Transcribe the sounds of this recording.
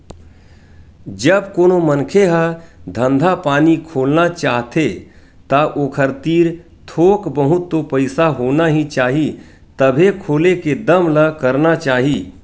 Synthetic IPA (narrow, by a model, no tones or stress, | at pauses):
d͡ʒəbkoːnomənkʰeɦəd̪ʱə̃nd̪ʱapaːnikʰoːlnat͡ʃaːɦt̪e | t̪aʔoːkʰəɾt̪iːɾ | t̪ʰoːkbəɦʊt̪ːopəɪsaɦoːnaɦĩt͡ʃaːɦi | t̪əbʱekʰoːleked̪əmləkəɾnat͡ʃaːɦi